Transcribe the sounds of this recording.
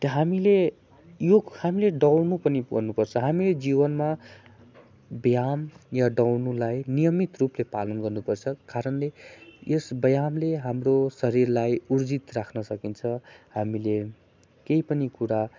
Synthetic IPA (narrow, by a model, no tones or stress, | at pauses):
t̪ʌɦamile | johamileɖʌwnupʌniɡʌ̰rnupʌrt͡sʰʌɦamiled͡zibʌnma | bjamjaɖʌwnulajnijʌmit̪ruplepalʌnɡʌrnupʌrt͡sʰʌkaɾʌnlejesbʌjamleɦamrosʌɾirlajurd͡zit̪rakʰnʌsʌkint͡sʰʌhamile | kejpʌnikuɾa